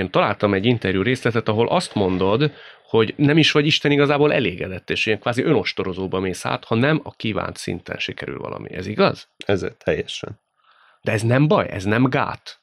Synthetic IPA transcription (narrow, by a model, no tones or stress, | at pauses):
eːnt̪ɒlaːlt̪ɒmɛɟːint̪ɛrjuːɾeːslɛt̪ɛt̪ɒɦo̞lʔɒst̪mo̞nd̪o̞d̪ho̞ɟnɛmiʃʋɒɟiʃt̪ɛniɡɒzaːboːlɛ̰leːɡɛd̪ɛt̪ːeːʃeɛŋkʋaːziʔø̞no̞ʃt̪o̞ɾo̞zoːbɒmeːsa̰ːt̪hɒnɛmɒkiːva̰ːnt̪sḭnt̪ɛ̰nʃikɛɾy̰lvɒ̰lʔɒ̰mḭɛziɡɒ̰z̥ɛzḛt̪ʰɛjːɛʃɛ̰n | d̪̥ɛɛznɛmbɒjɛ̰znɛmɡa̰ːt̪